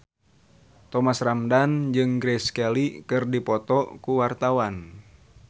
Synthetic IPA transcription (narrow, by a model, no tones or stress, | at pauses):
t̪ɔmasramdand͡ʒɨŋɡɾɛskɛlikɨrdipɔt̪ɔkuwart̪awan